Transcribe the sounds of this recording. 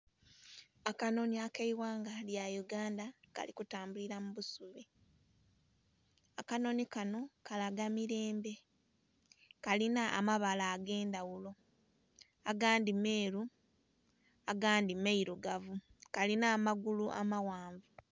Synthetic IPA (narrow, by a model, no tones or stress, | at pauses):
akano̞niakeiwaːŋɡaljajuɡaːndaka̰likutaːmbuliɾamuβusuβe̞ | akano̞nikano̞kalaɡamiɾe̞ːmbe̞ | kalinaʔːmaβalaːɡe̞ːndawulo̞ | aɡaːndime̞ːɾu | aɡaːndimeiɾuɡavukalinaːmaɡuluʔa̰mawaːɱvu